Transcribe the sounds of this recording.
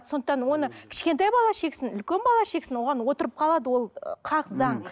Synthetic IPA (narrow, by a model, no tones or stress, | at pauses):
so̞nd̪əqt̪ɑnwo̞nəkʲʰɪ̥ʃkʲe̞nt̪ɑjbɑlˠɑʃe̞ksɪnʏlkʲe̞nbɑlˠɑʃe̞ksɪnwo̞ʁɑnwo̞t̪əɾəp̚qʰɑlˠɑd̪əwo̞lˠqʰɑqzɑɴ